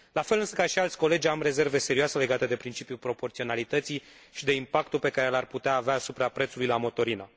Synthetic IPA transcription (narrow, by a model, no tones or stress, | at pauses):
lafelɨnsəkaʃialt̪sʲko̞le̞d͡ʒʲamre̞ze̞rve̞seɾioasele̞ɡat̪e̞d̪e̞pɾint͡ʃipjupɾo̞po̞rt̪sio̞nalit̪ət̪sij | ʃid̪e̞impak̚t̪upe̞kaɾelarput̪eaːveaːsupɾapɾet̪sulujlamo̞t̪o̞ɾinə